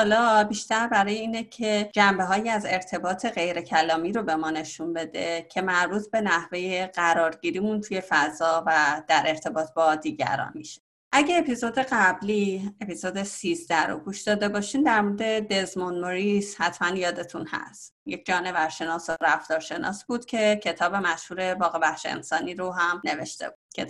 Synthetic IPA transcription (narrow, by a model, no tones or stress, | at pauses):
hɒːlɒːbiʃt̪æɾbæɾɒːjeiːnecʰe̞d͡ʒæmbe̞ɦɒːjiæze̞ɾt̪ʰe̞bɒːt̪ʰe̞ɣe̞jɾe̞cʰælɒːmiːɾo̞be̞mɒːne̞ʃunbe̞d̪e̞cʰe̞mæɾbuːt̪ʰbe̞næhve̞je̞ɢ̥æɾɒːɾɟiːɾiːmunt̪ʰuje̞fæzɒːvæd̪̥æɾʔe̞ɾt̪ʰe̞bɒːt̪ʰbɒd̪iːɟæ̰ɾɒ̰ːnmiʃe̥ | ʔæɟeːpʰizod̪e̞ɢæblie̞pizoːd̪esizd̪æɾo̰ɡuʃd̪̥ɒːd̪e̞bɒːʃiːmd̪æɾmo̞ɾed̪e̞d̪e̞zmonmoɾishæt̪ʰmænjɒːd̪e̞t̪ʰunhæ̰st̪jec̚ʰd͡ʒɒːne̞væɾʃe̞nɒːsoɾæft̪ɒːɾʃe̞nɒ̰ːsbuːd̪̥cʰe̞cʰe̞t̪ʰɒːbe̞mæʃhuːɾe̞bɒːɣe̞bæxʃeḛnsɒːniɾoɦæmne̞ve̞ʃt̪e̞̰bud̥̪̚kʰe